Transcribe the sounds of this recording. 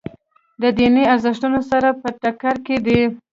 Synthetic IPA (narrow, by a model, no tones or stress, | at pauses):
d̪əd̪ineazaʂʈunosaɾapəʈakaɾked̪ə